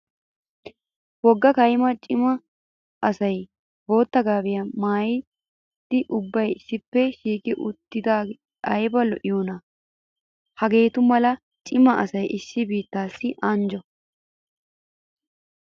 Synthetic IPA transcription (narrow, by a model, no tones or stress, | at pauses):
wɔɡːɐkɐjmɐt͡ʃʼɪmɐ | ʔɐsɐj | bo̞ːt̪ːɐɡaːbɪjɐmaːjɪ | d̪̥ɪʔʊbːɐjɪsːɪpːɛʃiːkʼɪʔʊt̪ːɪd̪aː | ɐjbɐlɔʔɪjuːnɐ | hɐɡe̞ːt̪ʊmɐlɐ | t͡ʃʼɪmɐʔɐsɐjʔɪsːɪbiːt̪ːaːsːɪʔɐnd͡ʒɔ